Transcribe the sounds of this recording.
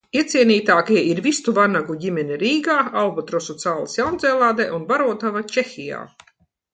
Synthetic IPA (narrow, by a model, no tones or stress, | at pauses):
iɛt̪sʲiɛniːt̪aːkiɛʔiɾvist̪uvanaɡuɟʲimʲɛnʲɛɾiːɡaːalbɔt̪ɾɔsut̪saːlˠɨsjawnd̪zɛːlˠaːd̪ɛːʔunvaɾuɔt̪avat͡ʃexʲija̰ː